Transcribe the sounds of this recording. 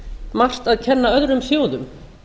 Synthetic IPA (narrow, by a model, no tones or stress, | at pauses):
mar̥t̪aðcʰɛnːaœðɾʏmsjoːwðʏm